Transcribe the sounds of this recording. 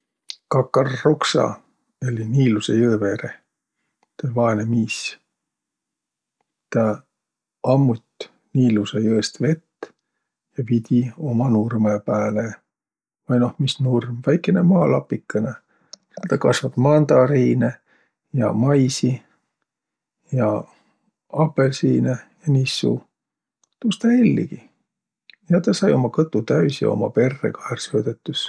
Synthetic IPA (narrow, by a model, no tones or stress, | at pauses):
kɑkːˑɑrːoksɑ̰ | elʲiniːlusejøːveɾe | t̪evɑenemiːs | t̪ɑ | ɑmːut̪ʲ | niːlusejɤest̪ve̞t̪ː | jɑvid̪̥ʲio̞mɑnurmepæːle | vɑjno̞hmisnurmvæjkːˑenemɑːlɑpːˑikːˑɑne | set̪ɑkɑsvɑb̥mɑnd̪ɑɾiːne | jɑ̰mɑjsi | jɑ | ɑpːˑe̞lsiːnejɑnisːṵ | t̪ust̪ɑelʲːḭɡi | jɑt̪ɑsɑjo̞mɑkɤt̪ːˑut̪æɥsjɑ̰o̞̰mɑ̰pe̞rːḛkɑhersøːd̪et̪ˑːus